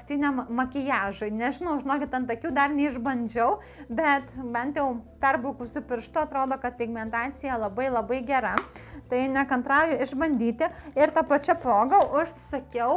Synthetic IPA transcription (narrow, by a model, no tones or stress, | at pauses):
kt̪ʲinʲɛmmɐkʲɪjæːʒoɪnʲɛʒʲɪnɐʊʒʲɪnoːkʲɪt̪ʲɐnt̪ɐkʲuːd̪ɐrnʲɛɪʒbɐnʲd͡ʒʲɛʊ | bʲɛt̪bʲɛnʲt̪jɛʊpʲɛrbʊːkusʊpʲɪɾʃt̪ʊɐt̪ɾoːd̪oːkɐt̪̚pʲɪɡmʲɛnt̪ɑːsʲɪjɛlˠɐbɐɪlˠɐbɐɪɡʲɛɾɐt̪ɐɪnʲækɐnt̪ɾɑːjʊɪʒbɐnʲd̪ʲiːt̪ʲɪɪɾt̪ɐpɐt͡ʃʲɛpɾoːɡɐʊʃsɐkʲɛʊ